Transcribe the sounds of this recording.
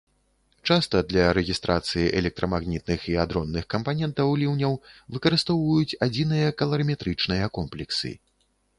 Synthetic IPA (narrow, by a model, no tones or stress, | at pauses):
t͡ʂast̪ɐd̪lʲɐɾɛɣʲist̪ɾʔat̪sɨjiʔɛlʲɛk̚t̪ɾʔɐmaɣnʲit̪̚nɨxiad̪ɾɔnːɨxkɐmpanʲɛnt̪ɐwlʲiwnʲɐwvɨkɐɾɨst̪ɔwvɐjut͡sʲad͡zʲinɨjɐkɐlˠɐɾɨmʲɛt̪ɾɨt͡ʂnɨjɐkɔmplʲɛksɨ̰